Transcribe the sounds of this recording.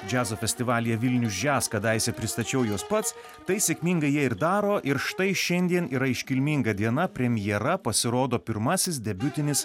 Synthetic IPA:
d͡ʒʲæːzoːfʲɛsʲt̪ʲɪʋɑːlʲɪjɛʋʲɪlʲnʲʊsd͡ʒʲæːskɐd̪ɐɪsʲɛpʲɾʲɪst̪ɐt͡ʃʲɛʊjuɔspɐt̪s | t̪ɐɪsʲɛkʲmʲiŋɡɐɪjiɛɪɾd̪ɑːɾoːʔɪɾʃt̪ɐɪʃʲɛnʲd̪ʲiɛniːɾɐɪʃʲkʲɪlʲmʲiːŋɡɐd̪ʲiɛnɐpʲɾʲɛmʲɪjɛɾɐpɐsʲɪɾoːd̪oːpʲɪɾmɐsʲɪsd̪ʲɛbʲʊt̪ʲɪnʲɪs

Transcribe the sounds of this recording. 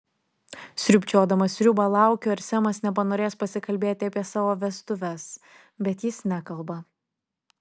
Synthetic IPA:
sʲɾʲʊpʲt͡ʃʲoːd̪ɐmɐsʲɾʲʊbɐlˠɑˑʊkʲoːɪɾsʲɛmɐsnʲɛp̬ɐnoːɾʲeːspɐsʲɪkɐlʲbʲeːt̪ʲɪɐpʲiɛsɑːʋoːʋʲɛst̪ʊʋʲɛs | bʲɛt̪jɪsnʲækɐlˠˑbɐ

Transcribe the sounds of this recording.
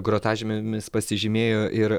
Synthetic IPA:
ɡɾoːt̪ɑːʒʲɪmʲmʲɪspɐsʲɪʒʲɪmʲeːjoːʔɪɾ

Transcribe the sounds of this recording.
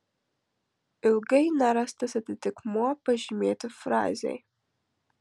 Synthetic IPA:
ilɡɐjnaɾastʰɐsɐdʰɨtʰɨkʰmoapʰɐʒmeːtʰɨfra̰ːzḛj

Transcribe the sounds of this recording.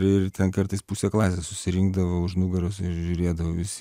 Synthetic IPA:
ɾɪrt̪ʲɛnkɐɾt̪ɐɪspuːsʲɛklˠɑːsʲeːssʊsʲɪɾʲɪŋɡd̪ɐʋoʊʃnʊɡɐɾʊsɪɾʒʲʊɾʲeːd̪ɐʋoːʋʲɪsʲɪ

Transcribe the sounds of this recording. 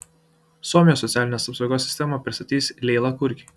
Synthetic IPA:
suɔmʲɪjoːsːɔt̪sʲæːlʲɪnʲeːsɐpsɒʊɡoːsʲːɪ̥st̪ʲɛmɐpʲɾʲɪst̪ɐt̪ʲiːsʲlʲɛɪlˠɐkʊɾʲkʲi

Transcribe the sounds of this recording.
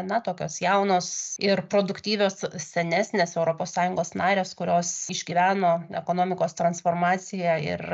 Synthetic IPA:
nɐt̪oːkʲoːsjɛʊnoːsɪrpɾoːd̪ʊkt̪ʲiːʋʲoːssʲɛnʲæːsʲnʲeːsɛʊɾoːpoːsːɑːjʊŋɡoːsnɑːɾʲeːskʊɾʲoːsɪʒʲɡʲiːʋʲæːnoːɛkoːnoːmʲɪkoːst̪ɾɐnsfoːrmɑːt͡ssʲɪjæːɪ̰r

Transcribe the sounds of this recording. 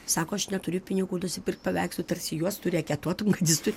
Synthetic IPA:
sɑːkoːɐʃnʲɛt̪ʊɾʲʊpʲɪnʲɪɡuːnʊsʲɪpʲɪrkt̪̚pɐʋʲɛɪkst̪ʊt̪ɐrʲsʲɪjuɔst̪ʊɾʲɛɐkʲɛt̪uɔt̪ʊmkɐt̪jʲɪst̪ʊɾʲ

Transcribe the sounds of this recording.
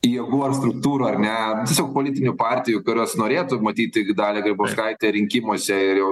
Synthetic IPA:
jɛɡuːɐrst̪ɾʊk̚t̪uːɾuːɐrnʲɛt̪ʲiɛsʲoːk̚polʲɪt̪ʲɪnʲʊpɑːɾʲt̪ʲɪjʊkʊɾʲoːsnoːɾʲeːt̪ʊmɐt̪ʲiːt̪ʲɪɡʲd̪ɑːlʲɛɡɾʲɪboːskɐɪt̪ʲeɾʲɪŋʲkʲɪmoːsʲɛɪjɛʊ

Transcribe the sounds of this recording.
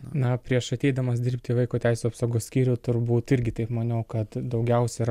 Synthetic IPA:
nɐpʲɾʲiɛʃɐt̪ʲɛɪd̪ɐmɐsd̪ʲɪrʲpʲt̪ʲɪiʋɐɪkoːt̪ʲæɪsʲuɐpsoːɡoːssʲkʲiːɾʲʊt̪ʊrbuːt̪ɪɾʲɡʲɪt̪ɐɪpmɐnʲoːkɐt̪d̪ɐʊɡʲɛʊsʲɛɾ

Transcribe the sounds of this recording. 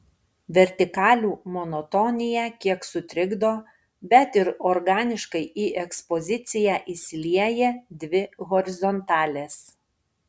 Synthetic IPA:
ʋʲɛɾʲt̪ʲɪkɑːlʲuːmɔnɔt̪ɔnʲɪjækʲiɛksʊt̪ʲɾʲɪɡd̪oː | bʲɛt̪ɪɾɔɾɡɑːnʲɪʃkɐɪʔiːʔɛkspɔzʲɪt̪sʲɪjæːʔisʲlʲiɛjɛːd̪ʲʋʲɪɣɔɾʲɪzɔnt̪ɑːlʲeːs

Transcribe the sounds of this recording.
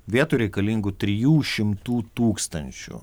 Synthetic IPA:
ʋʲiɛt̪uɾʲɛɪkɐlʲiŋɡʊt̪ʲɾʲɪjuːʃʲɪmt̪uːt̪uːkst̪ɐnʲt͡ʃʲʊ̰

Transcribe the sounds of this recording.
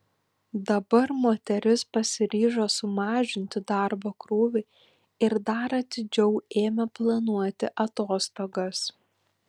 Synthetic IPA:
d̪ɐbɐɾmoːt̪ʲɛɾʲɪspɐsʲɪɾʲiːʒoːsʊmɑːʒʲɪnʲt̪ʲɪd̪ɑˑɾboːkɾuːʋʲɛ | ɪɾd̪ɐɾɐt̪ʲɪd͡ʒʲɛʊeːmʲɛplˠɐnuɔt̪ʲɪʔɐt̪oːst̪oːɡɐs

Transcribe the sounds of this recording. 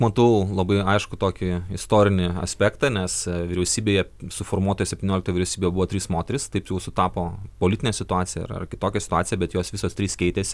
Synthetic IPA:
mɐt̪ɐʊlˠɐbɐɪɐɪʃkʊt̪oːkʲɪɪst̪oːɾʲɪnʲɪɐ̰sʲpʲæːkt̪ɑnʲɛsʋʲiɾʲɛʊsʲiːbʲeːjɛsʊfoːɾmuɔt̪ojɛsʲɛp̚ʲt̪ʲɪnʲoːlʲkt̪ojʋʲɪɾʲɛʊsʲiːbeːjɛbʊʋoːt̪ʲɾʲiːsmoːt̪ʲɛɾʲɪst̪ɐɪpjɛʊsʊt̪ɑːpoːpolʲɪt̪ʲɪnʲɛsʲɪt̪ʊɑːtsʲɪjɛɐ̰ɾɐ̰rkʲɪt̪oːkʲɛsʲɪ̥t̪ʊɑːtt͡s̪ʲɪjɛbʲɛt̪joːsʋʲɪsoːst̪ʲɾʲiːskʲɛɪt̪ʲeːsʲɪ

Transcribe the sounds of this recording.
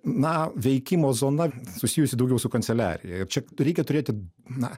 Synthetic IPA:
nɐʋʲɛɪkʲimoːzoːnɐsʊsʲiːjʊsʲɪd̪ɐʊɡʲɛʊsʊkɐnʲt̪sʲɛlʲæ̰ːɾʲɪjɛɪrt͡ʃʲɛɾʲɛɪkʲɛt̪ʊɾʲeːt̪ʲɪ | nɐ

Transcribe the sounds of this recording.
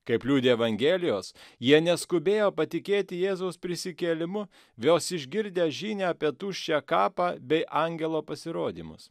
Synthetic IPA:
kɐɪplʲuːd̪ʲeːɛʋɐŋʲɡʲeːlʲɪjoːsjiɛnʲɛskʊbʲeːjoːpɐt̪ʲɪkʲeːt̪ʲɪjeːzɐʊspʲɾʲɪsʲɪkʲeːlʲɪmʊ | jʲoːsɪʒʲɡʲɪɾʲd̪ʲeːʒʲiːnʲeɑːpʲiɛt̪uːʃʲt͡ʃʲɛkɑːpɑːbʲɛɪʔɐŋʲɡʲɛlˠoːpɐsʲɪɾoːd̪ʲḭːmʊ̰s

